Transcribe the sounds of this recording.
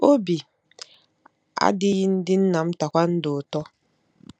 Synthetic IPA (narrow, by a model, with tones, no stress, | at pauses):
o˦bi˨ | a̰˦dɪ˦jɪ˦n̩˦dɪ˦n̩˦na˨m̩˦ta˨kʷa˦n̩˦dʊ˨tɔ˦